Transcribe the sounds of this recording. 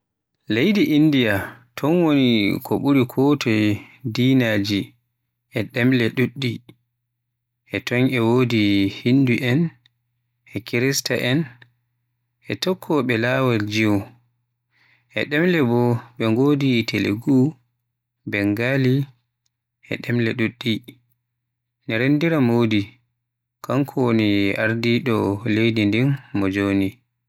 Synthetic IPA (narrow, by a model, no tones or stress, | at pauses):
lejdiʔindijatʰɔnwonikʰɔɓuɾikʰɔtʰɔdiːnaːd͡ʒi | ʔɛɗɛmlɛɗuɗːi | ʔɛtɔnɛwoːdihinːduʔɛn | ʔɛkiɾistaʔɛn | ʔɛtɔkʰːɔɓɛlawald͡ʒiw | ʔɛ̰ɗɛmlɛbɔɓɛŋɡoːditelḛɡu | bɛŋɡali | ʔɛ̰ɗɛmlɛɗuɗːi | nɛɾendiɾamoːdi | kaŋkʰɔwniaɾdiɗɔlejdindinːɔd͡ʒoːni